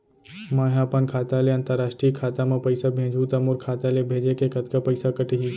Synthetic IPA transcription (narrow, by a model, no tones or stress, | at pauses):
mãːɦjaːpənkʰaːt̪aleɐ̃nt̪əɾːaːʃʈɾiːkʰaːt̪amãpəɪsabʱẽːd͡ʒʱuːt̪ɐmoːɾkʰaːt̪alebʱeːd͡ʒekekət̪kapɐɪsakəʈɦi